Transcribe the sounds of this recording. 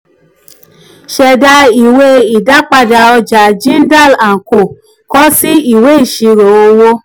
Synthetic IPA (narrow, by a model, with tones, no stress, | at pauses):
ʃɛ˨da˧i˨we˧i˨da˨˦k͡pa˧da˧ɔ˧d͡ʒa˨d͡ʒĩ˦n˦da˦˨la˨ko˨ | kɔ˦si˦i˦˨we˨˦i˦˨ʃi˨˧ɾo˨o˧wo˧